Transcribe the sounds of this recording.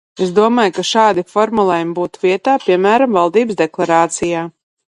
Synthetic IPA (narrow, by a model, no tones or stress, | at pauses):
esd̪uɔmaːjkaʃaːd̪ifɔɾmulˠɛjumbuːt̪uviɛt̪aːpiɛmæːɾamvalˠd̪iːbsd̪eklˠaɾaːt̪sijaː